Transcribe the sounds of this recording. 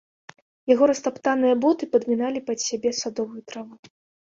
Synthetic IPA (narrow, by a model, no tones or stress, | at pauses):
jaɣɔɾɐst̪apt̪anɨjɐbɔt̪ɨpɐd̪mʲinalʲipɐt̪sʲabʲɛsad̪ɔvujut̪ɾavu